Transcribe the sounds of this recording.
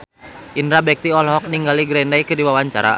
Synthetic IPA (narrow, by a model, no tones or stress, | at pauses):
ʔindɾabɛk̚t̪iɔlɦɔk̚niŋɡaliɡɾɛndaikɨrdiwawaɲt͡ʃa̰ɾa̰